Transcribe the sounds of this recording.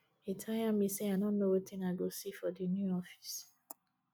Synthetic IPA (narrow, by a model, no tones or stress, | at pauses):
etʰajamĩseaɪnɔ̃nːowɔtĩnaɪɡosifɔdinjuɔfi̥s